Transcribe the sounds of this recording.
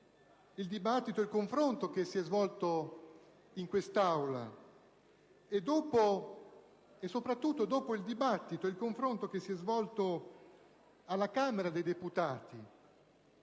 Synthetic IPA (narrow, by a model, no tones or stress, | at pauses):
ild̪ibat̪ːit̪oɛilkoɱfɾont̪ok̟esːiɛzvɔlt̪o | iŋkwest̪awla̰ | ed̪oːpo | esːopɾat̪ːut̪ːod̪oːpoild̪ibat̪ːit̪oilkoɱfɾont̪ok̟esːiɛzvɔlt̪o | alːakaːmeɾad̪ejd̪eput̪aːt̪i